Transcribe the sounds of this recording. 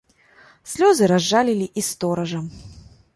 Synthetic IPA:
sʲlʲɔzɨɾazːalʲilʲiʔist̪ɔɾɐʐɐm

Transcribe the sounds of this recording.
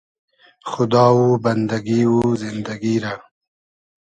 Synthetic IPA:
xʊd̪ɑːwubɐnd̪aɡiwuzɪnd̪aɡiɾa

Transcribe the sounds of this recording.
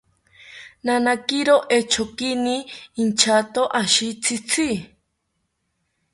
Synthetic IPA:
nanakiɾoʔet͡ʃʰokiniːnt͡ʃʰat̪oʔaʃit͡sʰit͡sʰi

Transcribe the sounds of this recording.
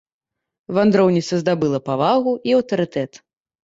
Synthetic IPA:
vand̪ɾɔwnʲit̪sɐzd̪abɨlˠɐpavaɣuʔiɐwt̪ɐɾɨt̪ɛt̪

